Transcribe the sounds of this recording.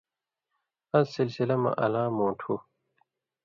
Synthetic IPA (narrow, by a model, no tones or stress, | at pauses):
ɐzsilsilɐmɐ̰ʔɐlãːmõːʈʰu